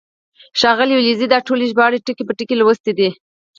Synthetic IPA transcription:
ʃɑɣəliulizid̪ɑʈoleʒbɑɽeʈəkepəʈəkelwəst̪ed̪i

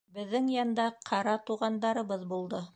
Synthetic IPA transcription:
bɘ̆ðːɘŋjɑnd̪ɑqʰɑɾɑt̪uʁɑnd̪ɑɾɤ̆βɤðbulˠd̪ɤ

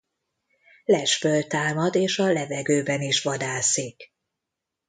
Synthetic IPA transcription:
lɛʃfølt̪aːmɒd̪eːʃɒlɛvɛɡøːbɛniʃʋɒd̪aːsik

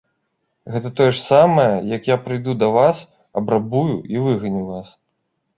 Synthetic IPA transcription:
ɣɛt̪ɐt̪ɔjɛʂsamɐjɐjɐkjapɾɨjd̪ud̪ɐvas | ɐbɾabujuivɨɣɐnʲiwvas

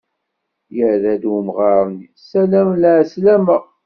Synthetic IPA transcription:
jəʕðæd̪wəmʁɑɾˤnisælæmləʕslæməʁ

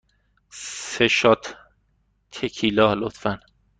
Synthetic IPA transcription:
seʃɒt̪ʰː | ekʰilɒːlot̪fæn

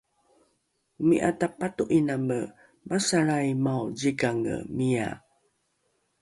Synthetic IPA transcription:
umiʔa̰tapatuʔinamə | masaɭajmawd͡ʑiɡaŋə̰mia̰

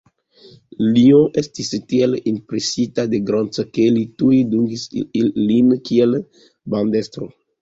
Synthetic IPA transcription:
lioʔestistielimpɾesitadeɡɾont͡skelitujduŋɡisilimkiel | bandestɾo

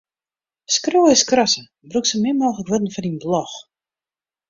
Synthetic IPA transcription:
skrowɪskrɔsə | bruksəmɪmoːxləkʋədn̩fɔninblɔx

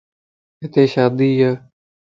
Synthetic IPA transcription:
ɦɪt̪eːʃaːd̪iːjaː

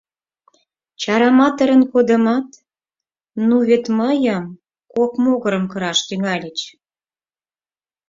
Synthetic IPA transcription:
t͡ɕɑɾɑmɑt̪əɾənkod̪əmɑt̪ | nuβet̪məjəm | kokmoɣə̆ɾə̆mkəɾɑʃt̪yŋɑlʲit͡ɕ

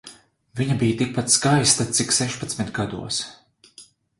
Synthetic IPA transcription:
viɲabijt̪ik̚pat̪skajst̪at̪siksɛʃpat̪smit̪ɡad̪ṵɔs

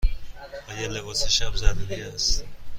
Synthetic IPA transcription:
ɒːjelebɒːseʃæbzæd̪uɾiæst̪

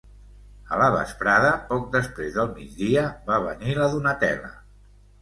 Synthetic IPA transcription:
ələβə̰spɾaðəpɔk̚d̪əspɾezðəlˠmid͡zd̪iəβaβ̞əniləðunət̪ɛ̰lə̰

